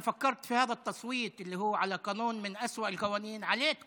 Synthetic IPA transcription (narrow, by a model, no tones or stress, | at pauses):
fakːɑɾˤt̪fihaːðat̪ːɑsˤwiːt̪ˤʔɪlːihʊwːʕalaqɑːnuːnmɪnʔaswaʔɪlqawaːniːnʕaleːt̪